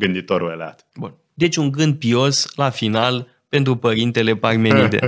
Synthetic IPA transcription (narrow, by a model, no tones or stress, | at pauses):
ɡɨnd̪it̪oɾuelea̰t̪bun | d̪e̞t͡ʃʲuŋɡɨnd̪̚pio̞slafinal | pe̞nt̪ɾupəɾint̪e̞le̞parmeɾid̪e̞̰